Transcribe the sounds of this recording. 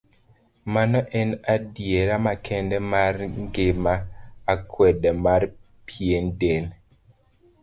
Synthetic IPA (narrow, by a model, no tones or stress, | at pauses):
manɔʔɛnadjeɾamakʰɛndɛmarŋɡɪmaːkʰwɛdɛmar | pʰendel